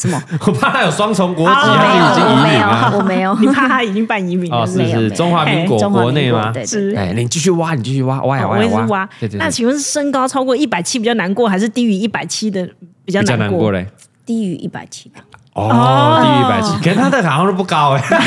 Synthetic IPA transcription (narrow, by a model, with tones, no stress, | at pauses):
sə˨˩m˧wɔ˨˩pʰa˥˩t̪ʰa˥jo˨˩ʊswɑ˥ŋt͡sʰo˧˥ŋkwɔ˧˦˥a˧˥i˥i˨˩t͡ɕi˥ŋ˨˥me˧˦o˨˧ɔ˨me˧˥o˨ni˨˩pʰa˥˧t̪ʰa˥i˨˩t͡ɕi˦˥ŋpa˥˩ni˧˥mi˨˩ŋɔ˨ʂɻ̩˥˩ʂ̩˨˥˩ʈ͡ʂo˥ŋxwa˧˥m˥i˧˥ŋkwɔ̰˨˩˥kwɔ˧˦ne˥˩ɪma˨˩e˥˧ʂɻ̩˥˩˧ni˨˩t͡ɕi˥˧ɕ̬y˥˧wa˦˥ni˨˩t͡ɕi˥˧˩ɕy˥˩wa̰˦wa̰˦˥˨w̩˧˥˧wa˥e˥˩˧na˥˩t͡ɕʰi˧˥ŋwə˥˧ŋʂ̩˥˩ʂə˥ŋkɑ˥ʊt͡sʰɑ˥ʊkwɔ˥˧i˥˩pa˨˩ɪt͡ɕʰi˥pi˨˩t͡ɕjɑ˥˩na˧˥nkwɔ˥˩xa˧ɪʂ̬ɻ̩˥˧t̪i˥y˧˥i˥˩pa˨˩ɪt͡ɕʰi˥d̪ə˨pi˨˩t͡ɕjɑ˥˨t͡ɕ̪a˥˧˦na˧˦nɔ˥˩kwɔ̰˥˩lə˨˩ | t̪i˥y˧˥ʔḭ˥˩pa̰˨˩ɪt͡ɕʰi̥˦˥ə˨ | ɔ˧ɔ˥˧i˥˧˥pa̰˨˩t͡ɕʰi˦˥kə˥nt̪ʰa˥d̪ə˨xa˨˩a˧ŋʂə˥˧pu˥˩kɑ˥ʊe˨